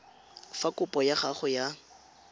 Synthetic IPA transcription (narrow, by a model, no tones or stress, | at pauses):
fakʼʊpʼɔjaχaχʊja